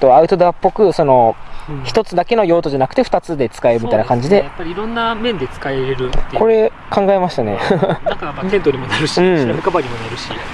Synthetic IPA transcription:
t̪o̞aɯ̟t̪o̞d̪apːo̞kɯ̟so̞no̞çi̥t̪o̞t͡sɨd̪ake̞no̞jo̞ːt̪o̞d͡ʑanakɯ̟t̪e̞ɸɯ̟̥t̪at͡sɨd̪e̞t͡sɨ̥kaeɯmʲit̪ajnakãɲ̟d͡ʑid̪e̞japːaɾʲiiɾõ̞nːamẽ̞nd̪e̞t͡sɨ̥kaeɾɯ̟kʰo̞ɾe̞ | kʰãŋɡae̞maɕi̥t̪ane̞̰akaent̪oɾʲimonaɾɯ̟ɕɯ̟̃ɴamikabaɾʲimonaɾɯ̟ɕi

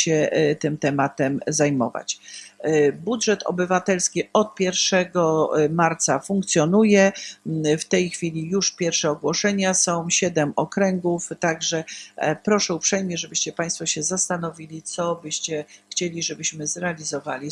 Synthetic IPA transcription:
ɕɛt̪ɘmt̪ɛmat̪ɛmzajmɔ̰va̰t͡ɕ | budʐɛt̪ʰɔ̰bɘvat̪ɛlskʲiɔt̪̚pʲjɛɾfʂɛɡɔmaɾt̪safuŋk̚t̪sʲjɔnujɛ | ft̪ɛjxfʲilʲijuʂpʲjɛɾfʂɛɔɡwɔʂɛɲasɔ̃w̃ɕɛd̪ɛmɔkɾɛŋɡuft̪aɡʐɛpɾɔʂɛupʂɛjmʲɲɛʐɛbɘɕt͡ɕɛpaj̃st̪fɔɕɛzast̪anɔvʲilʲit̪sɔbɘɕt͡ɕɛxt͡ɕelʲiʐɛbɘɕmɘzɾɛalʲizɔvalʲi

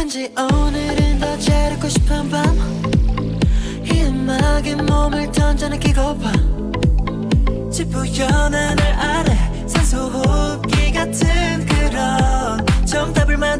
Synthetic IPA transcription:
kʰɯnd͡ʑiʔʌnɯɾɯndʌt͡ɕeɾɯk͈ʰːoɕʰi̥pʰanban | hiɯnːaɡenːomɯɭtʰʌnd͡ʑanɯkeɡʌba | t͡ɕʰip͈ʰːuçjʌnɯnɯɾʔaɾe | sʰesʰoɡo | k͈iɡatʰɯnkɯɾʌ | t͡ɕʌmdabɯɭman

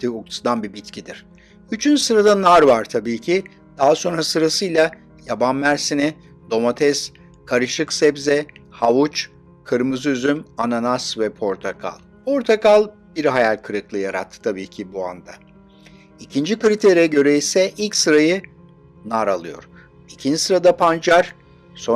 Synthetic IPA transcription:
iukt̪d̪anbibit̪cʰid̪iɾ̥ | yt͡ʃʰynsɯɾad̪anaɾvaɾt̪ʰabiːcʰi | d̪̥aɦaso̞nɾasɯɾasɯjlˠa | jabanmæɾsinɪ | d̪o̞mat̪ʰɛs | kʰaɾɯʃɯksɛbzɛhavut͡ʃ | kʰɯɾmɯzyzymananasvɛpʰo̞ɾt̪ʰakʰa̰lˠpʰo̞ɾt̪ʰakalˠ | biɾɦajalʲkʰɯɾɯklˠɯjaɾa̰t̪ʰːɯ̥t̪ʰabiːcʰibua̰nd̪a | icʰind͡ʒikɯɾit̪ʰeɾijɛɟø̞ɾɛisɛʔilʲcsɯɾajɯ | naɾalˠɯjo̞̰ɾ̥ | icʰind͡ʒisɯɾad̪apʰand͡ʒaɾ̥ | so̞

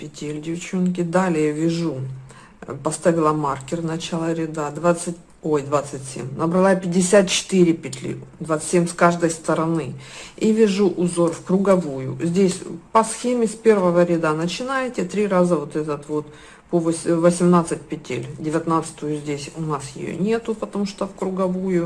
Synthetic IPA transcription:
pʲɪtʲelʲdʲɪft͡ɕonkʲɪd̪alʲɪjəvʲɪʐu | pɐst̪avʲɪlˠəmarkʲɪrnɐt͡ɕalˠəɾʲɪd̪ad̪vat̪sɨtʲ | ojd̪vat̪sɨtʲsʲḛmʲnəbɾɐlˠapʲɪdʲːɪsʲat̪̚t͡ɕɪ̥t̪ɨɾʲɪpʲɪt̪ʲlʲḭd̪vat̪sɨ̥tʲsʲemʲskaʐd̪əjst̪əɾɐnɨivʲɪʐuʔʊzo̞rfkɾʊɡɐvujʊ̰zʲdʲesʲpɐsxʲemʲɪspʲe̞rvəvəɾʲɪd̪anət͡ɕɪnajɪtʲɪt̪ɾʲiɾazəvot̪ɛt̪ət̪vo̞t̪ | povsʲvəsʲɪmnat̪sɨt̚ʲpʲɪtʲḛlʲdʲɪvʲɪt̪nat̪sɨ̥t̪ʊjʊzʲdʲesʲʊnasjɪ̰jo̰nʲe̞t̪ʊpət̪ɐmuʂt̪ofkɾʊɡɐvujʊ

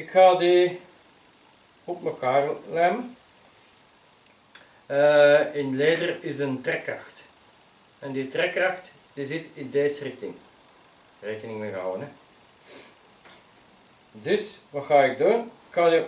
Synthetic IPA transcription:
ɪkxaːdi | ɔpməkaːrlɛmə | əɪnleːdərɪzəntrɛkrɑ̰xt | ɛnditrɛkrɑxt | d̥izɪtɪndeːzərɪxtɪŋ | reːkənɪŋmeɣəɦa̰wənə | dɵsʋɑxaːɪɡ̚duːrɪkxaːdi

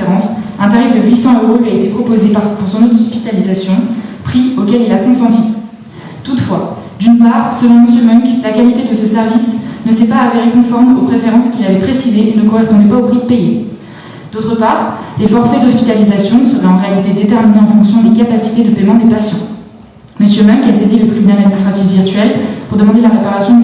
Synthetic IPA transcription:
ʁɑ̃sɛ̃t̪aʁifd̪əɥisɑ̃øʁolɥiaet̪epχɔpozepaʁpuʁsɔ̃not̪ɔspit̪alizasjɔ̃pχiokʲɛlilakɔ̃sɑ̃t̪i | t̪ut̪fwad̪ynpaʁsəlɔ̃məsjømœŋklakalit̪ed̪əsəsɛʁvisnəsɛpaːveʁekɔ̃fɔʁmopχefeʁɑ̃skʲilavɛpχesizeʔenəkɔʁɛspɔ̃d̪ɛpaopχid̪əpejḛ | d̪̥ot̪χəpaːʁlefɔʁfɛd̪ɔspi̥t̪alizasjɔ̃səʁɛɑ̃ʁealit̪ed̪et̪ɛʁmineɑ̃fɔ̃ksjɔ̃lekapasi̥t̪ed̪əpɛmɑ̃d̪epasjɑ̃ | məsjømœŋkasezilət̪χibynalad̪minist̪χat̪ifviʁt̪ɥɛlpuʁd̪əmɑ̃d̪elaʁepaʁasjɔ̃

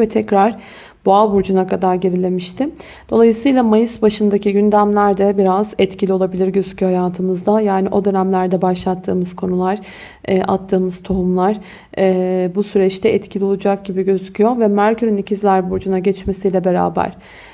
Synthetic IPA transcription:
vɛt̪ʰɛcɾaɾ̥ | b̥oalˠbuɾd͡ʒunakʰad̪aɾɟe̞ɾilʲe̞miʃt̪ʰɪ | d̪̥o̞lˠajɯsɯjlˠamajɯsbaʃɯnd̪aciɟynd̪æmlʲæɾd̪ɛbiɾazɛt̪cilʲio̞lˠabilʲiɾɟøzycʰyjohajaːt̪ʰɯmɯzd̪ajaːniʔo̞d̪ø̞næmlʲæɾd̪ɛbaʃlˠat̪ʰːɯ̰ːmɯz̥kʰo̞nulˠaɾ̥ | ʔa̰t̪ʰːɯːmɯzt̪ʰo̞ɦumlˠaɾ̥ | busyɾɛt͡ʃt̪ʰɛʔɛt̪cʰilʲio̞lˠud͡ʒak̚ɟibiɟø̞zycʰyjo̞ɾvɛmæɾcʰyɾynicʰizlʲæɾbuɾd͡ʒunaɟɛt͡ʃme̞sijlʲɛbe̞ɾa̰ːbæ̰ɾ̥

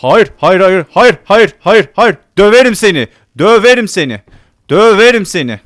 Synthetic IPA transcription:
hɑjiɾhɑjɾɑjiɾhɑjiɾhɑjiɾhɑjiɾhɑjiɾd̪̥øveɾimseni | d̪øveɾimsenḭ | d̪̥øveɾimsenḭ

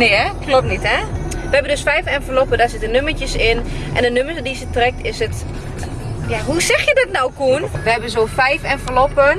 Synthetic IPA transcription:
neːɛklɔp̚nitɛʋəɦɛbəndøsfɛjfɛnfəlɔpədasɪtənømətjəsɪnʔɛ̰ndənøməsdisətrɛk̚tʰɪsət | jaɦusɛxjədɔtnawkuənʋəɦɛbənzoːfɛjfɛnfərlɔpən

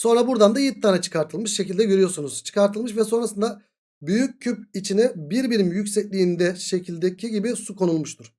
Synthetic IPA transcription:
so̞nɾabuɾd̪and̪ajit̪ʰːaːnat͡ʃʰɯ̥kʰaɾt̪ʰɯlˠmɯʃʃecʰilʲd̪ɛɟøɾyjo̞ɾsunuz̥t͡ʃʰɯ̥kʰaɾt̪ʰɯlˠmɯʃ̬vɛso̞nɾasɯnd̪a | byjyc̚ʲʰːypit͡ʃʰinɛbiɾbiɾimjycsɛclʲiːnd̪ɛʃe̞cʰilʲd̪ɛcʰiɟibisukʰo̞nulˠmuʃt̪ʰuɾ̥

